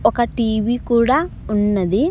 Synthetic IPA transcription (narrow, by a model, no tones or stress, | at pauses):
ɔkɐʈiːʋikuːɽaː | unːɐd̪i